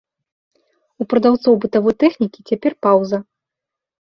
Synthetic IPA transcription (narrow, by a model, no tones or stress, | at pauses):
upɾɐd̪awt̪sɔwbɨt̪avɔjt̪ɛxnʲikʲit͡sʲapʲɛrpawzɐ